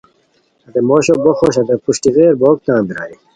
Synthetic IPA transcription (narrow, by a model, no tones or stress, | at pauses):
ɐd̪emoɕoboxoːɕɐd̪epuɕʈiɣeːɾboːk̚t̪ãːnb̪iɾa̰ːji